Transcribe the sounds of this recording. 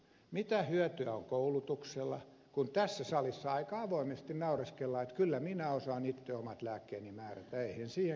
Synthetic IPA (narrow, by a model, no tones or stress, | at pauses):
mit̪æhyøt̪yæo̰ŋkoulut̪ukselːɑ̰ | kunt̪æsːæsɑlisːɑɑikɑɑʋoimest̪innɑurɑskelːɑet̪kylːæminæosɑːnit̪ːeomɑt̪læːkːeːnimæːræ̰t̪æeihensiːhe